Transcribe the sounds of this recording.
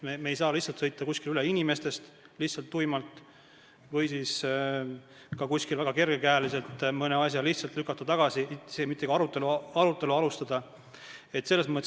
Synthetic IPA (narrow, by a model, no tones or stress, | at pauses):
memeːjsɑːlihtsːɑlt̪sɤjt̪ːˑɑkusʲkilyle̞inʲime̞st̪e̞st̪ | lihtsɑlt̪ːujmɑlt̪ˑ | vɤjsiːs | kɑkusʲkilvæɡ̥ɑke̞rɡ̥e̞kæːlise̞lt̪mɤne̞ɑs̬ʲjɑliht̪sɑlt̪lykːˑɑt̪ːˑɑt̪ɑɡ̥ɑsisemit̪ːˑeɡ̥ɑɑɾut̪ːˑe̞luɑɾut̪ːˑe̞luɑlust̪ɑd̪̥ɑ | e̞t̪se̞lːesmɤt̪ːˑ